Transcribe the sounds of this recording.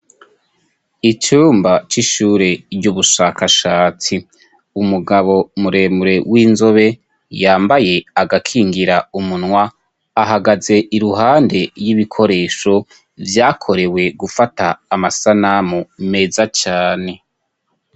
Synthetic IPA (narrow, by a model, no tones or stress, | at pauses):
it͡ʃuːmbat͡ʃiʃuːɾe̞ɾɟuβuʃakʰaʃaːt͡si | umuɡaβo̞muɾe̞ːmuɾe̞wiːnzo̞βe̞ | jaːmbaje̞aɡakʰiːŋɡiɾaumunŋwaː | ɦaɡaze̞ʔiɾuɦaːnde̞jiβikʰo̞ɾe̞ːʃo̞ | vjaːkʰo̞ɾe̞we̞ɡufataːmasanamume̞zat͡ʃaːne̞